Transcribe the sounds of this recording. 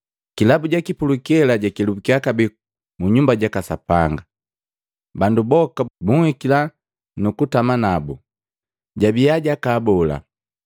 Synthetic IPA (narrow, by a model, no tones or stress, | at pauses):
kilabuɟakipulukɛlaɟakilubukiakabi | muɲumbaɟakasapaŋɡa | bandubɔkabuŋhikila | nukutamanabu | ɟabiaɟakaːbɔla̰